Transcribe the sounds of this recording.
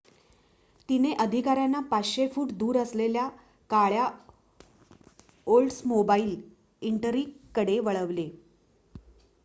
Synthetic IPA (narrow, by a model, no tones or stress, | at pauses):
t̪ineʔəd̪ʱikaɾjanːapat͡sɕefuːʈd̪uːɾəslelja | kaɭja | olʈsmobaiːl | iɳʈəɾiːkːəɽeʋəɭəʋle